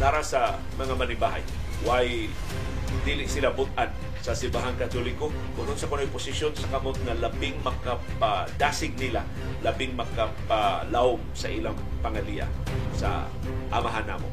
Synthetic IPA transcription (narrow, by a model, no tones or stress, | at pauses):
naːɾasɐ | mɐŋamɐnɪbaːɦa̰j | waj | d̪ilɪʔsɪlabʊt̪̚ʔan | sɐsɪmbaɦaŋkɐt̪olɪko | kʊɾonsɐkonojpʊsɪʃjonsɐkɐmot̪̚ŋɐlɐbɪŋmɐka | pad̪aːsɪɡ̚nɪla̰ | lɐbɪŋmɐkapalahomsɐʔilaŋpɐŋɐlia̰ | sa̰ | ʔɐmaɦana̰ːmo̰